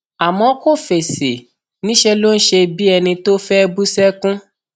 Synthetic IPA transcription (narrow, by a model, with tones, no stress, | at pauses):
a˨mɔ̃˨˦ko˦˨fe˨se˨ | nĩ˦ʃɛ˧lo˦n̩˦ʃe˧bi˦ɛ˧nĩ˧to˦fɛ˦bu˦sɛ˦kũ˦